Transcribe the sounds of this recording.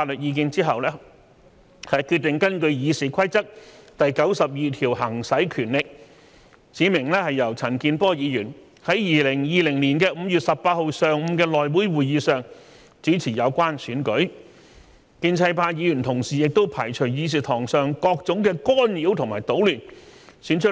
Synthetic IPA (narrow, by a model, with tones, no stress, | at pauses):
faː˧t̚lɵ˨t̚jiː˧kɪ˧ŋt͡siː˥ɦɐ˨wlɛː˥ | hɐ˨jkʰy˧t̚t̪ɪ˨ŋkɐ˥nkɵ˧ɥjiː˨˧siː˨˩kʰɐ˥jt͡sɐ˥k̚t̪ɐ˨jkɐ˨˥wsɐ˨p̚jiː˨t̪ʰiː˨˩whɐ˨˩ŋsɐ˨˥jkʰyː˨˩nlɪ˨k̚ | t͡siː˨˥mɪ˨˩ŋlɛː˥hɐ˨jːɐ˨˩wt͡sʰɐ˨˩nkiː˧npɔː˥jiː˨˧jyː˨˩n | hɐ˨˥jjiː˨lɪ˨˩ŋjiː˨lɪ˨˩ŋliː˨˩nkɛː˧m̩˨˧jy˨t̚sɐ˨p̚paː˧t̚ho˨˧wsœː˨ŋm̩˨˧kɛː˧lɔː˨jwu˨˥jwuː˨jjiː˨˧sœː˨˩ŋ | t͡siː˨˥t͡sʰiː˨˩jɐ˨˧wkʷaː˥nsyː˨˥nkɵ˨˥ɥ | kiː˧nt͡sʰɐ˧jpaː˧jiː˨˧jy˨˩nt̪ʰʊ˨˩ŋsiː˨˩jɪ˨k̚t̪o˥wpʰaː˨˩jt͡ʃʰɵ˨˩ɥjiː˨˧s̬iː˨˩t̪ʰɔː˨˩ŋsœː˨˩ŋkɔː˧k̚t͡sʊ˨˥ŋkɛː˧kɔː˥njiː˨˥wt̪ʰʊ˨˩ŋmaː˨˩jt̪o˨˥wlyː˨˩nsyː˨˥nt͡ʃʰɵ˥